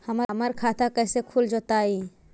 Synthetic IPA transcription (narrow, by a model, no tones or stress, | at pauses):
həmməɾkʰat̪ʰakəjsekʰuld͡ʒot̪ai